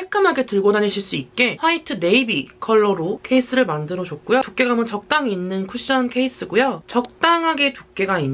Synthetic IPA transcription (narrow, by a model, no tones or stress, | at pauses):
aɭk͈ɯmɦaɡe̞tɯɭɡonaneɕʰiɭs͈uit̚k͈e̞ɸwaitʰɯne̞ibikʰʌɭːʌɾokʰe̞is͈ɯɾɯɭmandɯɾʌd͡ʑʌk̚k͈ujotok͈e̞ɡamɯnt͡ɕʌk̚t͈aŋinːɯnkʰuɕ͈ʌnkʰe̞is͈ɯɡujʌt͡ɕʌk̚t͈aŋɦaɡe̞tok̚k͈e̞ɡainː